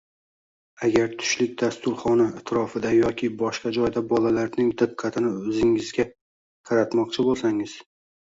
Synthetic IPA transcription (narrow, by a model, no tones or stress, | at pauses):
aɡʲaɾt̪ʰʊ̥ʃlɪk̚ʲd̪ast̪ʊɾχɒnaat̪ʰɾɒfɪd̪ajɒkʲʰɪbɒʃqɑd͡ʒɒjd̪abɒlalaɾnɪŋd̪ɨqʰːɑt̪ʰɪnɪɵzɪŋɪzɡʲa | qʰɑɾat̪mɒqt͡ʃʰɪbolˠsaŋɪz̥